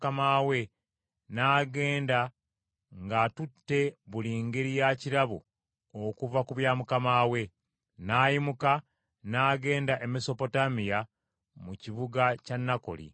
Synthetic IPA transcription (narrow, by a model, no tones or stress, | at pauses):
kamawe̞ | naːɡe̞ːnda | ŋɡatutːe̞βuliːŋɡeɾijaciɾaβṵ | okuvakuβjaːmukamaːwe̞ | naːjimuka | naːɡe̞ːndaʔe̞meso̞po̞tamija | muciβuɡacanːako̞̰lḭ